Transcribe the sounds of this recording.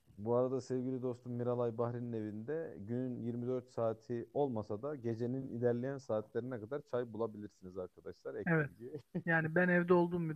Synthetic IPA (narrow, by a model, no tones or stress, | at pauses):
buaɾad̪asɛvɟilʲid̪o̞st̪ʰummːiɾalˠajbahɾinːe̞vind̪ɛɟynnjiɾmid̪ø̞ɾt̪saːt̪ʰio̞lˠmasad̪aɟe̞d͡ʒe̞ninḭlʲæɾlʲejænsaːt̪lʲeɾinɛkad̪aɾt͡ʃʰajbulˠabilʲiɾsinizaɾkʰad̪aʃlˠaɾɛevɛt̪ɟijaːnibænɛvd̪ɛo̞lˠd̪uːmbi